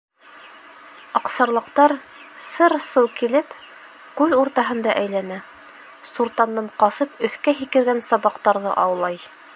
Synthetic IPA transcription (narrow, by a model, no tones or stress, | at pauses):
ɑqsɑɾlˠɤ̆qt̪ɑɾ | sɤɾsɤwkilɘp | kʉluɾt̪ɑɦɤ̆nd̪ɑʔæjlænæ | suɾt̪ɑnːɤɴqɑsɤpɵ̆θkæɦikɘ̆ɾɡænsɑβɑqt̪ɑɾðɤ̰ʔɑwlˠɑj